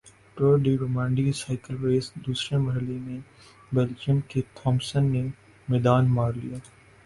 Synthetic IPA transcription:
ʈoːɾɖiɾoːmãːɳɖisaːɪkəlɾeːsd̪uːsɾemɐɦɪlemẽ | bɛld͡ʒəmket̪ʰɔːmsənːe | mɛːd̪aːnmaːɾlḭjaː

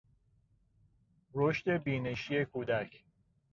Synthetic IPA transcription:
ɾoʃt̪e̞biːne̞ʃije̞kʰuːd̪æcʰ

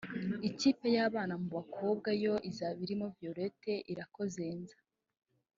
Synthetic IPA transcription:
iciːpe̞jaːβaːnamuβakʰo̞ːb̚ɡajo̞ʔizaβiɾimovjoɾe̞te̞ʔiɾako̞ze̞ːnzḁ

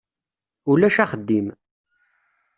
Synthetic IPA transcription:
ulæʃæχəd̪ːim

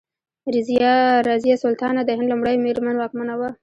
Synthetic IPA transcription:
ɾɪzijɑɾɑzijasʊlt̪ɑnad̪əhɪnd̪lumɽəjmeɾmanwɑk̚manawa

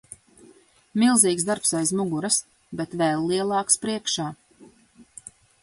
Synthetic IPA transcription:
milˠziːkzd̪aɾpsajzmuɡuɾas | bɛt̪vɛlˠːiɛlˠɑːkspɾiɛkʃaː

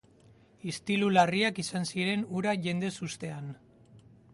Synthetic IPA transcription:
ist̪ilulariakisansiɾe̞nuɾaʝe̞nd̪e̞sust̪e̞an

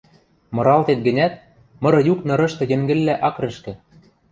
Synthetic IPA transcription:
mɤ̆ɾɑlt̪et̪̚ɡɘ̆nʲæt̪̚ | mɤ̆ɾɤ̆juknɤ̆ɾɤ̆ʃt̪ɤ̆jɘ̆ŋɡɘ̆lːæʔɑkɾɤ̆ʃkɘ̆

